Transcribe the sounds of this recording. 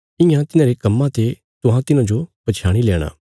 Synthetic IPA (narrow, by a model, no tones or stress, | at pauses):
ɪ̃jãt̪ɪnãːɾekɐmːãt̪e | t̪ʊɦãt̪ɪnãd͡ʒopɐt͡ʃʰaːɽ̃ilɛːɽ̃a̰ː